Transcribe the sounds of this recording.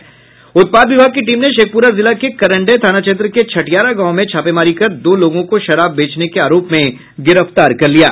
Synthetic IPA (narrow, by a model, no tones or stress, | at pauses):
ʊt̪̚paːd̪ʋɪbʱaːɡ̚kiʈiːmneʃeːk̚ʰpuːɾazɪlakekɐɾə̃ɳɖet̪ʰaːnat͡ʃeːt̪ɾəket͡ʃʰɐʈjaːɾaɡãːõmẽt͡ʃʰaːpemaːɾikɐɾd̪oːloːɡõkoʃɐɾaːbːeːt͡ʃnekeaːɾoːpmẽ | ɡɪɾəft̪aːɾkɐɾlija̰ː